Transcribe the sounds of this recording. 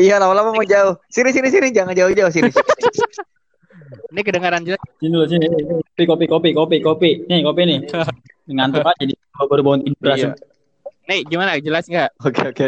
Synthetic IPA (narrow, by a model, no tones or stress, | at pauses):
ijalamalamamaŋd͡ʒaʊhsinɪsinɪsinɪd͡ʒaŋand͡ʒaʊhd͡ʒaʊhs̬iɪsin | nɪk̬ədəŋaɾand͡ʒəlast̪induɾas̬inɪnɪsinkopikopikopikopikopinɪkopinɪh | niŋant̪ɔŋad͡ʒadi | abaɾubaɔnt̪induɾa | naɡimanad͡ʒəlasŋɡaʔokeoke